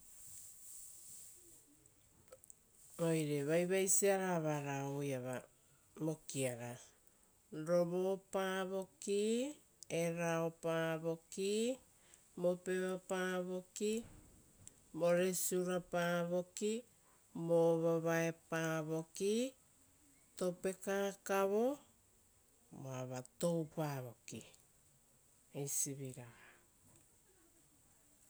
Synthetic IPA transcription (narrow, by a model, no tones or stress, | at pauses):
ojɾeβajβajsiaɾaβaɾaojaβa̰ | mo̞kiaɾa | ɾoβopaβo̞ki | eɾaopaβo̞ki | mopeβapaβo̞ki | mo̞ɾesuɾapaːβo̞ki | moβaβaepaβo̞ki | tope̞kaːkaβo̞ | moaβato̞wpaβo̞ki | ejsiβiɾaha